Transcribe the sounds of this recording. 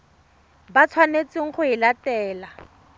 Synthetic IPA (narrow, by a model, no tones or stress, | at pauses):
bat͡sʰwanet͡sɪŋ̩χʊɪlatɛːla